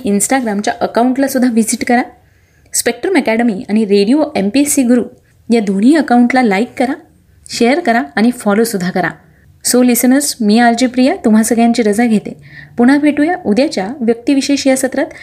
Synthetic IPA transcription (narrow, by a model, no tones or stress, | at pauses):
insʈaɡɾamt͡ɕjaʔəkauɳʈlasud̪ʱːaʋid͡ʑiʈkəɾa | spek̚ʈɾəməkæɽəmia̰ɽ̃iɾeɽioempiesiɡʱɾuː | jad̪ʱon̤iːəkauɳʈlalaikːəɾa | ɕejəɾkəɾaːɽ̃ifɔlosud̪ʱakəɾa̰ | solisənəɾsmiːald͡ʑipɾijat̪um̤asəɡɭjaɲt͡ɕiːɾəd͡zaɡʱet̪epuɽ̤abʱeʈujaʔud̪jat͡ɕjaʋjək̚t̪iʋiɕeɕijasət̪ɾət̪